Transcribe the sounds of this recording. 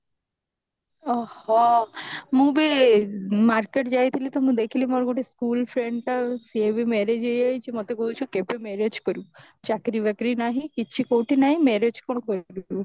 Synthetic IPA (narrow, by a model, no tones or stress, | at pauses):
ɔhɔ | mũbe | maɾkeʈd͡ʒajt̪ʰilit̪ɔmũd̪ekʰilimoɾɡoʈeskulpʰɾeɳɖʈasiebimɛɾed͡ʒejajd͡ʒemot̪ekolt͡ʃʰukepemɛɾed͡ʒkoɾu | t͡ʃakɾibɛkɾinaɦĩkit͡ʃʰikowʈinaɦĩmɛɾed͡ʒkonokoɾ